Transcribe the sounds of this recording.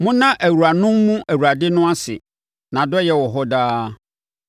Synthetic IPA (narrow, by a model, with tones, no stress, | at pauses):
mʊ̃˦nã˦ʔæ˨wu˨ɾa˨nʊ̃˦mːũ˦ʔæ˨wu˨ɾa˨dɪ˦nʊ̃˦a˦sɪ̰˨ | nã˨dɔ˦jɛ˦wɔ˨ɦɔ˦daː˦